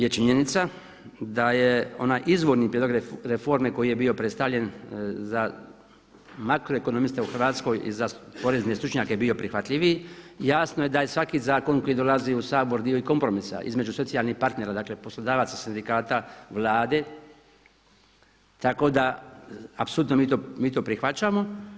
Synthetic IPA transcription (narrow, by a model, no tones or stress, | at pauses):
je̞t͡ʃiɲe̞nit̪sa | d̪ajeo̞naːjʔizʋo̞ɾnipjed̪oɡɾefo̞ɾmeko̞jije̞bio̞pɾe̞t̪st̪aʋʎe̞nza | makɾoeko̞no̞mist̪auxr̩ʋaːt̪sko̞jḭzapo̞ɾeznest̪ɾut͡ʃɲaːke̞bio̞pɾixʋat̪ʎiʋijaːsnoje̞d̪ajesʋakizaːko̞nko̞jid̪o̞lˠaziusaːbo̞ɾd̪io̞iko̞mpɾo̞misa̰ʔḭzme̞d͡ʒuso̞t̪sijalˠnihpaɾt̪ne̞ɾad̪aːkle̞po̞slod̪aːʋat̪sasind̪ikaːt̪aʋlaːd̪e̞ | t̪ako̞d̪a | apsolut̪nomiːt̪omiːt̪o̞pɾixʋat͡ɕamo̞